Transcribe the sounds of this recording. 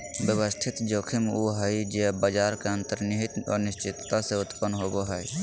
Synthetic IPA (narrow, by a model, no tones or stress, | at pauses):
bjəwəst̪ʰɪt̪d͡ʒoːkʰimuɦəid͡ʒebəd͡ʒaːɾkeənt̪əɾniɦit̪ɔ̰ːnɪst͡ʃɪt̪ːaseʊt̪pənɦoːboɦəi